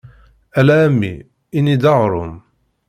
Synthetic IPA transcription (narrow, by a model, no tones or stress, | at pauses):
ælæːmːḭ | inid̪ɑʁɾˤʊm